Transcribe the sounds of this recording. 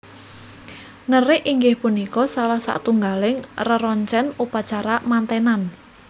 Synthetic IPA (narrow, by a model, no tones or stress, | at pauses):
ŋərɪʔiŋɡɪhpunikɔsalahsa̰ʔt̪uŋɡalɪŋrəɾɔɲt͡ʃɛnupat͡ʃaɾamant̪ɛnan